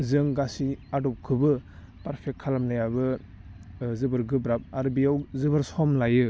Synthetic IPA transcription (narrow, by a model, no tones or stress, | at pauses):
zɯŋɡasiadɔp̚kʰɯbɯ | paɾpʰek̚t̚kʰalamlajabɯ | zɯbɯɾɡɯbɾap̚aɾbijawzɯbɯɾsɔmlajɯ